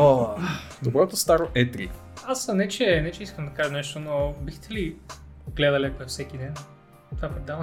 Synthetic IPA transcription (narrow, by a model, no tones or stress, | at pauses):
o | d̪obɾɔt̪ost̪aɾoʔɛt̪ɾḭ | asnɛt͡ʃɛnɛt͡ʃɛiskəmd̪ɐkaʒɐnɛʃt̪onobixt̪ʰɛli | ɡlɛd̪ɐlɛkɛfsɛk̟id̪ɛn | t̪ovapɾɛd̪avə